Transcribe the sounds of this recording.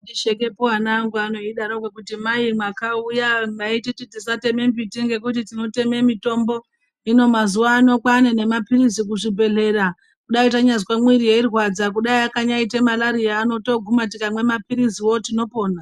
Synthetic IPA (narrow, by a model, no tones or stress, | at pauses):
iʃeke̞poanaŋɡuano̞iɗaɾokwakutimaimwakaujamaitititisate̞me̞mbitiŋɡe̞k̬utitino̞te̞me̞mito̞mbo̞ | ino̞mazuʋaːno̞kwanene̞mapirizik̬uʐibʱe̞ɮe̞ra | kuɗaitaɲazkwemwiɾijeirwad͡zak̬uɗaiakaɲaitemalaɾijaːno̞to̞ɡʱumatikamwe̞mapiɾiziwo̞tino̞po̞ːna